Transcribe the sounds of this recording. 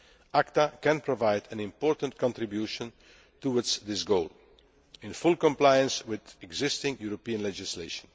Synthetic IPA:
ʔaktakɛ̃npʰɹɔvaɪdɨ̃nɪ̃mpɔːɹtə̃ntkɔ̃ntɹɪbjuːʃə̃n | tuwɪdsðɪsɡoʊlˠ | ɪ̃nfʊlˠkɔ̃mplaɪə̃nswɪðɛɡzɪstɪ̃ŋjuɹɔpiə̃nlɛd͡ʒɪsleɪʃə̃n

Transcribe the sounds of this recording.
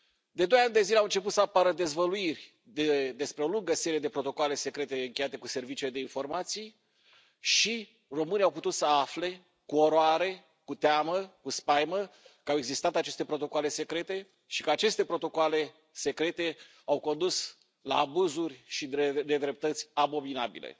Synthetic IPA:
d̪e̞d̪o̞janʲd̪e̞zileawɨnt͡ʃe̞put̪səapaɾəd̪e̞zvəluirʲ | d̪ed̪e̞spɾeo̞luŋɡəseɾied̪e̞pɾo̞t̪o̞koale̞se̞kɾe̞t̪e̞ɨŋkʲe̞jat̪e̞kuse̞rvit͡ʃile̞d̪einfo̞rmat̪sij | ʃi | ro̞mɨniawput̪ut̪səafle̞ | kuo̞ɾoaɾe̞ | kut̪eaməkuspajməkəawe̞ɡzist̪at̪at͡ʃe̞st̪e̞pɾo̞t̪o̞koale̞se̞kɾe̞t̪e̞ | ʃi̥kəat͡ʃe̞st̪e̞pɾo̞t̪o̞koale̞ | se̞kɾe̞t̪e̞ | awko̞nd̪us | la̰ːbuzurʲʃid̪e̞d̪ɾe̞p̚t̪ət̪sʲabo̞minabḭlḛ

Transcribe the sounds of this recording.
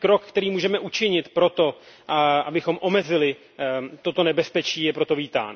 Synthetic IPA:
kɾo̞kkt̪ɛɾiːmuːʒɛmɛʔut͡ʃɪɲɪt̪pɾo̞t̪o̞ | ʔabɪxo̞mʔo̞mɛzɪlɪ | t̪o̞t̪o̞nɛbɛspɛt͡ʃiːjɛpɾo̞t̪o̞viːt̪a̰ːn

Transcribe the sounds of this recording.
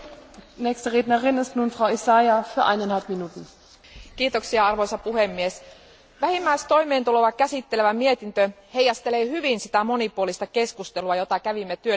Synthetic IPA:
nɛːçstəʁeːtnɐʁɪnɪstnuːnfʁaʊisajafyːɐʔa̰ɪnanhalpminuːtn̩ | k̟iːt̪o̞ksiɑɑrʋo̞jsɑpuhemːies | ʋæhimːæist̪o̞jme̞ːnt̪uloʋɑkæsit̪ːe̞leʋæmie̞t̪int̪ø | hejɑst̪e̞leːhyʋinsi̥t̪æmo̞nipuolist̪ɑke̞skust̪e̞luɑjo̞t̪ɑkæʋimːet̪yø

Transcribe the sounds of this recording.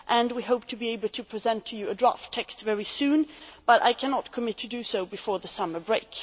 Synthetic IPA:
ʔɨ̃nwiɦoʊp̚tʰɨbieɪbl̩ˠtʰɨpʰɹ̥izɛ̃ntʰɨjɨɨdɹɑ̰ftʰːɛkstvɛɹisʉ̃nb̥ʌɾa̰ɪkʰænɑt̚kʰɨmɪtʰɨdɨsoʊbɨfɔɹðəsʌmə˞bɹeɪk

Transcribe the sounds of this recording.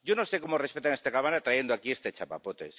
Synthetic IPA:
ɟ͡ʝonose̞komorespet̪anest̪ekaβanat̪ɾaje̞nd̪oakiest̪et͡ʃapa̰pot̪e̞̰s

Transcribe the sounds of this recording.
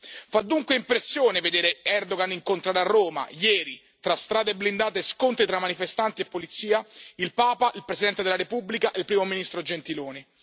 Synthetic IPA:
fad̪ːuŋkweimpɾesːjoːneved̪eːɾeɛrd̪oɡaniŋkont̪ɾaɾarːoːma̰jɛːɾi | t̪ɾast̪ɾaːd̪eebːlind̪aːt̪eskont̪ɾit̪ɾamːanifest̪ant̪iepːolit̪sːiːailpaːpaʔilpɾesid̪ɛnt̪ed̪elaɾepubːlikaʔelpɾiːmominist̪ɾod͡ʒent̪iloːni

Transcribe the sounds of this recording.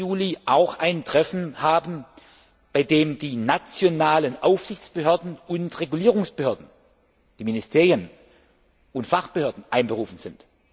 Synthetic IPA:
uːliʔaʊxʔaɪntʁ̥ɛfn̩haːbn̩ | b̥aɪdeːmdiːnat͡sjonaːlənʔaʊfz̥ɪçt͡sb̥əɦøɐdn̩ʊntʁeɡuliːʁʊŋsb̥əhøːɐdn̩ | d̥iːminɪstʰeːʁjən | ʊntfaχb̥əhøːɐdn̩ʔaɪnbəʁuːfn̩z̥ɪnt

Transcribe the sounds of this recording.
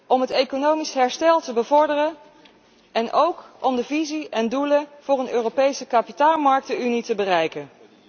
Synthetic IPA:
ʔɔmɦətekonowmisɦɛɹstɛlˠtəbəvɔɹdərə | ɛnʔowkɔmdəviziɛnduləv̥ʊːrənøːrowpejsəkapitaːlˠmɑɹk̚təynitəbərɛjkən

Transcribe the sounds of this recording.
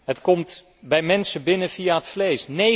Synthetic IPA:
ɦətkɔmt | bɛjmɛnsəbɪnəviaɦətflejsne

